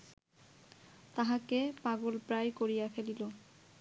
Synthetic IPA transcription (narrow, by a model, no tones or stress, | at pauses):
t̪aɦãkepaɡolpɹajkoɹijakʰelilo